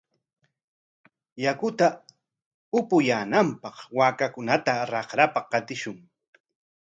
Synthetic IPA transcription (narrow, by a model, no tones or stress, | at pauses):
jakʊt̪a | ʊpʊjaːnampɑχwaːkakʊnat̪aɾɑχɾapaqɑt̪ɪʃʊŋ